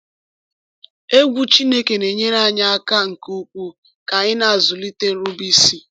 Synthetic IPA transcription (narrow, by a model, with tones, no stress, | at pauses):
e˦ɡʷu˦t͡ʃi˦ne˦ke˨ne˨ɲe˦na˦˨ɲa˦a˦ka˦ŋ̩˨ku˦kʷu˦ | ka˨ɲɪ˦na˦˨zʊ˨li˦te˦n̩˦ɾʊ˦bi˦si˦